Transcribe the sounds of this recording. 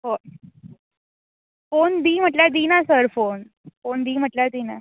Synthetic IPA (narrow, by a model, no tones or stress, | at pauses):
fo | fond̪iːm̤əʈljad̪iːnasəɾfon | fond̪iːm̤əʈljad̪iːna